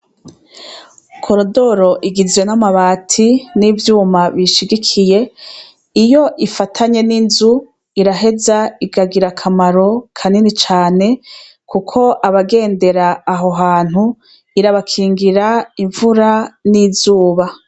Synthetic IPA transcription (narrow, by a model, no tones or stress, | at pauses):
kʰo̞ɾodo̞ɾo̞ʔiɡizwe̞namaβaːtʰinivjuːmaβiʃiɡikʰije̞ | ijo̞ʔifatʰaɲe̞ninzu | iɾaɦe̞zaiɡaɡiɾakʰamaɾo̞kʰaninit͡ʃaːne̞ | kukʰo̞ʔaβaɡe̞ːnde̞ɾaːɦo̞ɦaːn̥hu | iɾaβakʰiːŋɡiɾaiɱvuɾanizuːβa